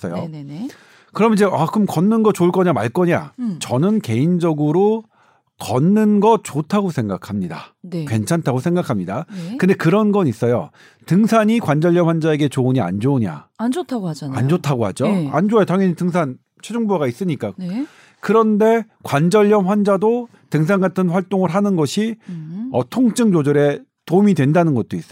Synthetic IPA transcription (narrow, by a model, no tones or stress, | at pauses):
s͈ʌ̰jo | kɯɾʌmnid͡ʑe̞ʔakɯmkʌnːɯnɡʌt͡ɕouɭk͈ʌɲama̰ɭk͈ʌɲa̰t͡ɕʌnɯnke̞ind͡ʑʌɡɯɾo | kʌnːɯnɡʌt̚t͡ɕotʰaɡosʰe̞ŋɡakʰamɲida̰kwe̞nt͡ɕʰantʰaɡosʰe̞ŋɡakʰamɲidakɯnde̞kɯɾʌnɡʌnis͈ʌjo̰ | tɯŋsʰaɲikwand͡ʑʌʎjʌmɸwand͡ʑae̞ɡe̞t͡ɕouɲia̰nd͡ʑouɲa̰tʰɡa̰nd͡ʑotʰaɡohad͡ʑoand͡ʑoajotaŋjʌɲitɯŋs̬ʰan | t͡ɕʰe̞d͡ʑuŋbuaɡais͈ɯɲik͈a | kɯɾʌnde̞ | kwand͡ʑʌʎːʌmɸwand͡ʑado | tɯŋs̬ʰaŋɡatʰɯnɸwaɭt͈oŋɯɾɦanɯnɡʌɕʰiʌtʰoŋt͡ɕ͈ɯŋd͡ʑod͡ʑoɾe̞ | tomidwe̞ndanɯnɡʌt̚t͈ois͈